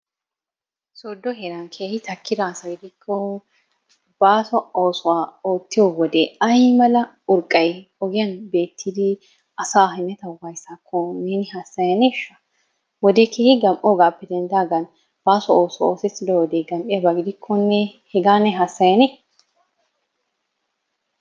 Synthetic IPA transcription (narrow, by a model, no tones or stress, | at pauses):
sod̪ːɔɦɛɾɐnkʰeːhɪt̪ɐkʰːɪd̪ɐsɐɡɪd̪ɪkʰːɔ | b̥aːsɔo̞ːsʊwaːoːt̪ːɪjɔwɔd̪eːɐjmɐlɐ | ʊɾkʼːɐjɔɡɪjɐnbe̞ːt̪ʰːɪd̪ɪ | ɐsaːɦɛnːɛt̪ɐwɐjsaːkʰːɔneːnɪhɐsːɐjɐneʃːɐ̥ | wɔd̪eːkʰeːhɪɡɐmʔoːɡaːpːɛd̪ɛnd̪aːɡɐn | b̥aːsɔoːsʊoːsɛt̪ːɪd̪ɔwɔd̪eːɡɐmʔɪjɐbɐɡɪd̪ɪkʰːɔnːɛhɛɡaːnːɛɦɐsːɐjɐnek